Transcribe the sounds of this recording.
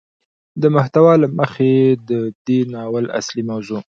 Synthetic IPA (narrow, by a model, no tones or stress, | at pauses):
d̪əmʊht̪awɑlaməxed̪əd̪enɑwəla̰slimawzu